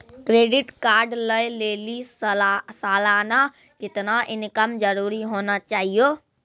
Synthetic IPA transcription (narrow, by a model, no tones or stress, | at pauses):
kɾeːɖɪʈkaːɾɖləjleːli | saːlaːna | kɪt̪naʔɪnkəmd͡ʒəɾuːɾiɦoːnat͡ʃaːɦijoː